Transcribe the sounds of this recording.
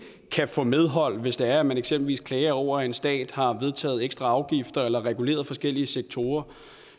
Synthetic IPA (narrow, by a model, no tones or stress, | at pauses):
kʰæfɔ̽með̞ˠɦɒ̽l̰ʋe̝sd̥e̝æɐæmæneɡ̥semb̥l̩ʋḭːskʰlɛːɐɒʊ̰ɐæe̝nsd̥ɛ̰ːd̥hɑ̈ʋe̝ð̞ˠt͡sʰɛ̰ːð̞̩ˠeɡ̥sd̥ʁɑ̈ɑ̈ʊɡ̥ifd̥ɐelɐʁɛɡ̥ule̝̰ːɐð̞̩ˠfɒ̽sɡ̥el̰iəseɡ̥̚t͡sʰo̝ːɐ